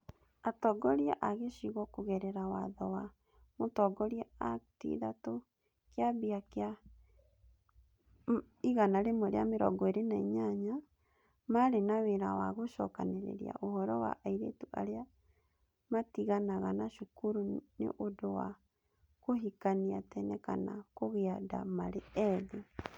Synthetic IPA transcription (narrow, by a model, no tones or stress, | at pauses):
atɔːɡɔɾiɛʔaɣeʃiɣɔkoɣɛɾɛɾawaðɔwa | motɔɡɔɾiɛatḭðato | keabiaka | iɣanaɾemoɾḛameɾɔ̰ɡɔeɾenaiɲaɲa | maɾenaweɾawaɣoʃɔkaneɾḛɾḭa̰ʔohɔɾɔwa̰ʔaiɾetuʔa̰ɾea | matiɣanaɣanaʃokuɾunḛʔodowa̰ | koɦikaniatɛnɛka̰na̰koɣeada̰maɾeɛðe